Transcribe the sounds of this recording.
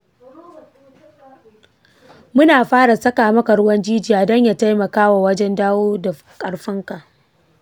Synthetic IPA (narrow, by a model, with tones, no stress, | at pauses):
mʊ˦naː˨ɸaː˦ɽa˨sɐ˦kaː˨mɐ˦kɐ˨ɾʊ˦wɐ˦nd͡ʒiː˦d͡ʒi˨ja˨dɔ˦ɲja˨ta˦jmɐ˨kaː˦wa˨wɐ˦d͡ʒɛ˦ndaː˦woː˦da˨ | kʼɐ˨ɽɸɪ˦ŋka˨ʔ